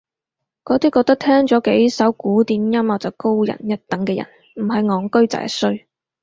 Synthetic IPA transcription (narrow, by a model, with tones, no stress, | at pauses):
kɔː˨˧˥t̪iː˥kːɔː˧k̚t̪ɐ˥k̚t̪ʰɛː˥ŋt͡sɔː˨˥ke˨˥jsɐ˨˥wkuː˨˥t̪iː˨˧mjɐ˥mɐ˨˩wt͡sɐ˨wko˥wjɐ̰˨˩njɐ˥t̚t̪ɐ˨˥ŋkɛː˧jɐ̰˨˩n | m̩˨˩ɦɐ˨jŋɔː˨˧ŋkɵ˥ɥt͡sa̰ː˨˧jsɵ˥ɥ